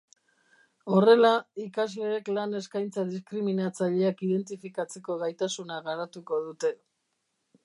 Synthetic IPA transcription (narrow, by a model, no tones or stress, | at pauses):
o̞re̞laikazle̞ːklane̞skajnt͡saðiskɾiminat͡saʎe̞akiðe̞nt̪ifikat͡se̞ko̞ɣajt̪asunaɣaɾat̪uko̞ðut̪e̞